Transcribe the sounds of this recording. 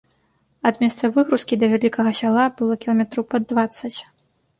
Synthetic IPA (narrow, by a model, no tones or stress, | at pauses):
ad̪mʲɛst̪sɐvɨɣɾuskʲid̪ɐvʲalʲikɐɣɐsʲalˠabɨlˠɔkʲilˠɐmʲɛt̪ɾɐwpɐd̪ːvat̪sːɐt͡sʲ